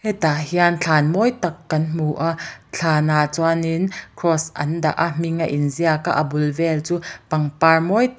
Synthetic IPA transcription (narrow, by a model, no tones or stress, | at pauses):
hɛt̪ahiant͡ɬʰaːnmɔjt̪ɐkːɐnm̥uʔaʔt͡ɬʰaːnat͡sɔaninkʰɾɔsʔɐ̰nda̰ʔamiŋaʔinziaka̰ʔɐbʊlvɛlt͡suːpɐŋparmɔj